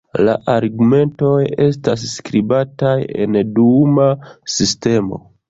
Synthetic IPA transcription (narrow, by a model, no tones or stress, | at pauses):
la̰ʔaɾɡume̞nto̞je̞stas̬ːkɾibataje̞̰ndumasiste̞mo̞̰